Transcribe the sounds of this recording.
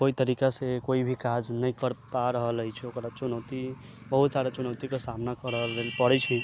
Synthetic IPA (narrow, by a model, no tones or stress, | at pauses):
koit̪əɾikasekoibʱikad͡ʒnəjkəɾpaɾəɦələjt͡ʃʰɛokɾat͡ʃunət̪i | bəɦut̪saɾat͡ʃunəwt̪ikesamnakəɾəlelpəɽɛt͡ʃʰɛ